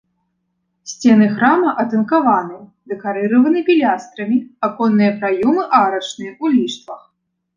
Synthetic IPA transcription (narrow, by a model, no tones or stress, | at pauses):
sʲt͡sʲɛnɨxɾamɐʔɐt̪ɐnkavanɨjɐ | d̪ɛkaɾɨɾɐvɐnɨpʲilʲast̪ɾɐmʲiakɔnːɨjɐpɾajumɨʔaɾɐt͡ʂnɨjɐʔulʲiʂt̪vɐx